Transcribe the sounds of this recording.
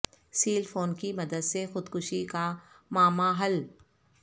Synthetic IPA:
siːlfoːnkimɐd̪əd̪sexʊd̪kʊʃika | maːmaɦɐl

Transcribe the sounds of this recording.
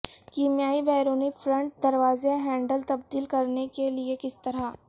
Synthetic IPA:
kiːmijaːibɛːɾoːnifɾə̃ɳʈ̚d̪ɐɾʋaːzeɦɛ̃ːɳɖəlt̪ɐb̚d̪iːlkɐɾnekeliekɪst̪ɐɾa

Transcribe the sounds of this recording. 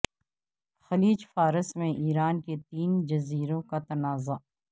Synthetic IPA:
xɐliːd͡ʒfaːɾəsmẽʔiːɾaːnket̪iːnd͡ʒɐziːɾõkat̪ɐnaːza

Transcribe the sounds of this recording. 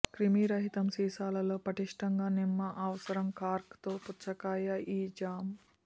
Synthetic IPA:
kɾimiɾɐɦit̪ɐmsiːsaːlɐlo̞ːpɾɐʈiʂʈɐŋɡaːnimːɐʔɐʋɐsɐɾɐmkaːɾkt̪oːput͡ʃɐkaːjɐʔiːd͡ʒaːm

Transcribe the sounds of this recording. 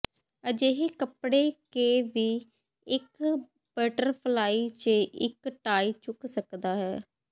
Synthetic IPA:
əd͡ʒeɦeːkəpɽeːkeːʋiː | ɪk | b̥əːʈəɾpʰlaːiːt͡ʃəɪkʈaːiːt͡ʃʊksəkd̪aːɦɛː

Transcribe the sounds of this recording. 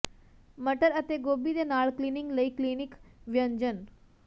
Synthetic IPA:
məʈəɾət̪eɡoːbid̪enaːɭkliniŋɡləiklinikʋjəɲd͡ʒən

